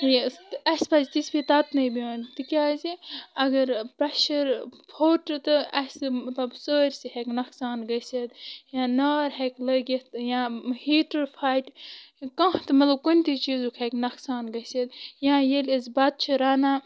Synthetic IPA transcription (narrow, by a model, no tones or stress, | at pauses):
jɐspɐzit̪ispit̪at̪nɐjbiɐ̃nt̪ɨkʲaːziɐɡɐɾpɾɐʃɐɾpʰoːʈɨt̪ɨɐsɨmɐt̪lɐbsəːɾʲsiɦeknɐksaːnɡɐsɐd̪jãːnaːɾɦeklɐɡet̪jãːhiːʈɐɾpʰaːjʈkɐ̃ːɦt̪ɨmɐt̪lɐb̚konʲt̪it͡ʃiːzukʰeknɐksaːnɡɐsɐd̪jãːjelʲizbɐt̪̚t͡ʃʰiɾaːnaː